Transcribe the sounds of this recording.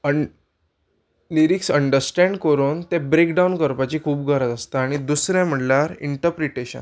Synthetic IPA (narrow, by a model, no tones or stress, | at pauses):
ə | liɾiksəɳɖəɾsʈɛ̃ɳɖkəɾuːnt̪ɛbɾekɖaunkəɾpat͡ɕiːkʰuːpɡʱəɾəd͡zəst̪aːɽ̃id̪usɾjɛ̃ãm̤əʈljaɾḭɳʈəɾpɾiʈeɕə̰n